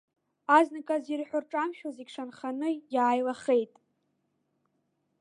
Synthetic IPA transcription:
aznakʼazirħʷᶣʊrʈ͡ʂʼamʃᶣazikʲʂanχanɨjaːjlaχejtʼ

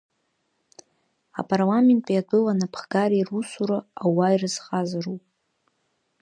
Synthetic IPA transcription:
a̰pʼarlame̞ntʼijadʷʰʼɨlanapʰχɡaɾiirusuɾaawairɨzqʼazarupʼ

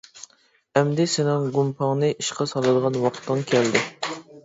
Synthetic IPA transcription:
ɛmd̪ɪsɪnɪŋɡumpʰɑŋnɨʔiʃqɑsɑlˠɨd̪əʁɑnwɑqʰt̪ʰːɨŋkʲʰɛld̪ɪ

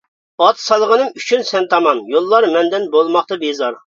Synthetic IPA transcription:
ɑt̪ʰsɑlˠəʁənɨmyt͡ʃʰynsɛnt̪ʰɑmɑnjolˠːɑɾmɛnd̪ɛnbolˠmɑχt̪ɑbezɑɾ

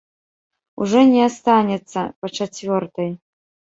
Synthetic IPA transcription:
ṵʐɔnʲɛast̪anʲɛt̪sːɐpɐt͡ʂat͡sʲvʲɔrt̪ɐj

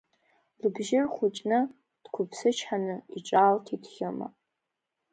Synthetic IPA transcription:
lɨbʒɪrχʷʊt͡ʃʼnɨ | d̥kʷʰʊpʰsɨt͡ʃʰħanɨiʈ͡ʂʼaltʰitʰχʲɪma̰

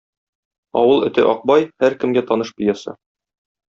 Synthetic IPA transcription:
ɒ̰wɤlˠɵ̆t̪ɘ̰ʔɒq̚bɑjhæɾkɘ̆mɡæt̪ɒnɤʃpĭjɑsɤ̰

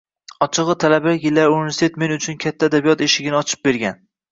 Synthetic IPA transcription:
ɒt͡ʃʰɨʁɨt̪ʰalabaɡʲɪlːaɾunivesit̪ʰe̞t̪me̞nʊt͡ʃʰʊnkʲʰat̪ʰːaːd̪abijɒt̪eʃɪɡʲɪnɪɒt͡ʃʰɪ̥p̚be̞ɾɡʲan

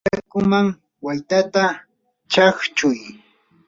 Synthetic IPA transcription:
akʊmaŋ | wajt̪at̪a | t͡ʃaχt͡ʃʊj

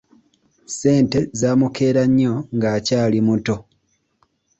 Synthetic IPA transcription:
se̞ːnte̞zaːmukʰe̞ːɾaɲːo̞ŋɡaːcaːlimuto̞

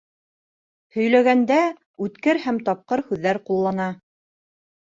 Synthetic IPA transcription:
hɵ̆jlæɡænd̪æ | ʉt̪kɘɾhæmt̪ɑp̚qɤɾhʉðːæɾqulˠːɑnɑ

